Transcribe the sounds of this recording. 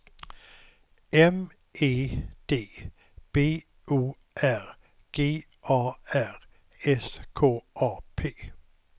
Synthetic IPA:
ɛm | ʔe̝ːd̪̥e̝̰ː | b̥e̝̰ː | ʔuː | ʔæʁ | ɡ̥e̝̰ː | ʔɑːæʁ | ɛskʰoːʔɑːpʰḛː

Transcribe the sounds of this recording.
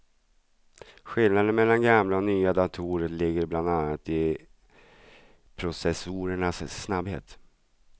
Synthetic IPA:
ɧɪlnad̪ənmɛlːanɡamlaɔnyːad̪at̪ʰuːɾəlɪɡːəɾbland̪anːat̪ɪ | pʰɾʊsɛsuɾəɳasːnabhḛːt̪

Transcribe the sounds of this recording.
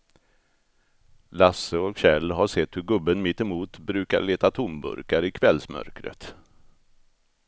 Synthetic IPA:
lasːəɔkɕɛlːɦaʂɛt̪hɵɾɡɵbːənmɪt̪ːɛmuːt̪bɾʉ̟ːka̰ɾɭeːt̪at̪ʰʊmbɵ̰ɾkaɾɪkʰvɛlsmœ̰ɾkɾə̰t̪

